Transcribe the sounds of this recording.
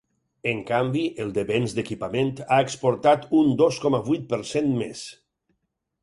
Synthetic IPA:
əŋkambiʔəlˠd̪əβenzd̪əkipament̪aekspoɾt̪at̪und̪oskɔmaβujt̪̚pəɾsenmḛs

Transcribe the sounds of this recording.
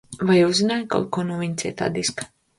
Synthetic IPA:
vajuzinaːjka̰lkɔnuvʲiɲʲt̪sʲɛ̰t̪a̰ːd̪isk

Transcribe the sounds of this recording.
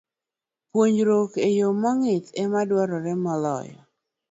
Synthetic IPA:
pwoɲɾokejomɔŋɪtɛmadwɔɾɔɾɛmɔlɔ̰jɔ̰

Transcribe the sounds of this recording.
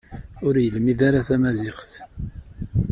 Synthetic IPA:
ʊɾjəlmiðaɾaθæmæzɪχθ

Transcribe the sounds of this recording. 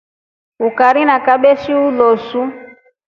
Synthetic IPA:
ukaɾinakaɓɛʃiulosu

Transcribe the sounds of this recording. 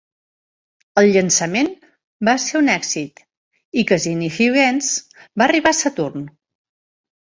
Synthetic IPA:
əlˠʎənsəmen | baseunɛɡzit̪ | ikəzinifiɣɛnz | bariβasət̪urn

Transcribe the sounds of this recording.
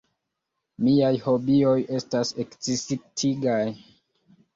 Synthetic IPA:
miajho̞bio̞je̞stasekt͡sisitʰiɡaj

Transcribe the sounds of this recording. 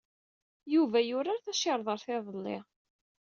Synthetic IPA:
juvæjʊɾaɾθæʃɑɾˤðˤəɾˤθɪðˤəlːɪ̰ʁ

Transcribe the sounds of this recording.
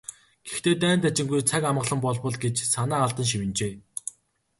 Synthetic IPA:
ɡ̥ext̪eːt̪æːnt̪æt͡ɕɪ̆ŋɡujt͡sʰakamə̆ɮə̆mpɔɮpɞ̆ɮɡet͡ɕsanaːɮt̪ə̆nʃ̬iwɘ̆nt͡ɕeː

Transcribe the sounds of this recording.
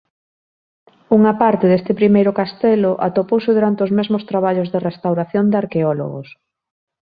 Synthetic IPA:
uŋapaɾt̪ɪðest̪ɪpɾimejɾʊkast̪ɛloʔa̰t̪opowsɪðuɾant̪eozmezmost̪ɾaβaʎozðerest̪awɾaθjond̪aɾkeɔlo̰ɣo̰s

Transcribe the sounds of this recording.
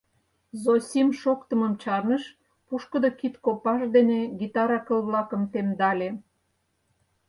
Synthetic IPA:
zosʲimʃokt̪əməmt͡ɕɑrnəʃ | puʃkəd̪okit̪kopɑʃd̪eneɡit̪ɑɾɑkəlβlɑkə̆mt̪emd̪ɑlʲe

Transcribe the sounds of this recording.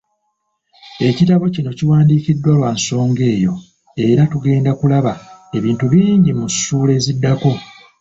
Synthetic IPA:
e̞citaβo̞cino̞ciwaːndiːcidːwalwaːnso̞ːŋɡe̞ːjo̞ | e̞ɾatuɡe̞ːndakulaβae̞βiːntuβiːɲɟimusuːle̞zidːako̞

